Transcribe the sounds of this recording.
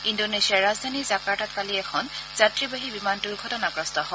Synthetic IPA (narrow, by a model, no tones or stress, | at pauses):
indonesiaɹazdʱanizakaɹtatkaliɛkʰɔnz̥atɹibaɦibimantuɹɡʱɔtɔnakɹɔstɔɦɔ